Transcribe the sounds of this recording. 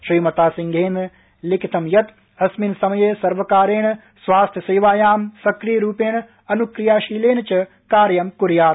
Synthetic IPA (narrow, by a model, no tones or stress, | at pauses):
ʃɾiːmɐt̪aːsiŋɡʱeːn | lɪkʰit̪ʰɐmjɐt̪ | ɐsminsɐmjeːsɐɾʋɐkaːɾeːɳ̃ | sʋaːst̪ʰjɐseːʋaːjaːmsɐkɾijɾuːpeːɳ̃ | ɐnukɾijaːʃiːleːnt͡ʃɐ | kaːɾjɐmkuɾjaːt̪